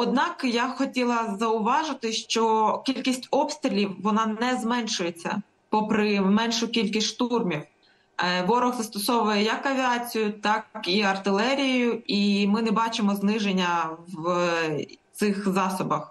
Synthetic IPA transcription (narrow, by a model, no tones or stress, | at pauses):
ɔd̪nɑkjɑxɔtʲilˠɐzɐʊʋɑʒɪt̪ɪʃt͡ʃɔkʲilʲkʲisʲtʲɔpst̪ɾʲɪlʲiwːɔnɑnnɛzmɛnʃʊjet͡sʲːɐ̰ | pɔpɾɪmɛnʃʊkʲilʲkʲisʲʃt̪urmʲiw | ʋɔɾɔɣzɐst̪ɔsɔʋʊjɛjɐkːɐʋʲiɑt͡sʲijʊt̪ɑkiɐrt̪ɪlˠɛɾʲijɪjʊimɪnɛbɑt͡ʃɪmɔznɪʒenʲːɐwʋ | t̪sɪxzɑsɔbɐx